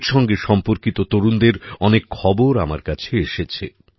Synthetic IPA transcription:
ɾʃɔŋɡeʃɔmpoɾkit̪ot̪oɾund̪eɾɔnekʰːɔboɾamaɾkat͡ɕʰeeʃet͡ɕʰe

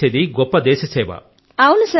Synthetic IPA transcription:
eːd̪iɡɔpːɐd̪ɛːʃɐsɛːʋɐ̰ | ɐwunusɐ

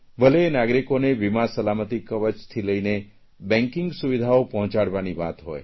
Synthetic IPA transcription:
bʱəlenaɡɾikoneʋimasəlamət̪ikːəʋət͡ʃt̪ʰiləine | bɛ̃ŋkɪ̃ŋɡsuʋid̪ʱaopɔɦɔ̃t͡ʃaɽʋaniʋa̰t̪ɦɔj

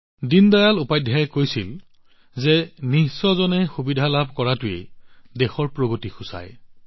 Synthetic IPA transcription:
dindajalupajdʱjajkojsil | zɛnisɔzɔnɛxubidʱalabʱkɔɹatʊḛdexɔɹpɹoɡotixʊsa̰j

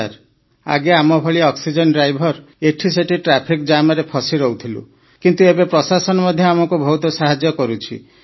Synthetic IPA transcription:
aɾ | a̰ɡeamɔbʱɔɭiɔksid͡ʒɔnɖɾajbʱɔɾ | eʈʰiseʈʰiʈɾapʰikd͡ʒamɔɾepʰɔsiɾɔwt̪ʰilṵ | kint̪uebepɾɔsasɔnɔmɔd̪ʱjɔamɔŋkubʱɔut̪ɔsaɦad͡ʒjɔkɔɾut͡ʃʰḭ

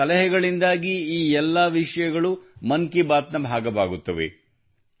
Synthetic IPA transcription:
ɐlɐɦɛɡɐɭind̪aːɡiiːɛlːɐʋiʂɐjɐɡɐɭumɐŋkibaːt̪nɐbʱaːɡɐʋaːɡut̪ːɐʋḛ

